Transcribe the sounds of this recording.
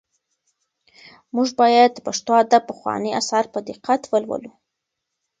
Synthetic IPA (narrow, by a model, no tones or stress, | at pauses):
muʐbɑjad̪paʂt̪wad̪apəxwɑ̰nia̰sɑɾpəd̪ɪqat̪wəlwə̰lu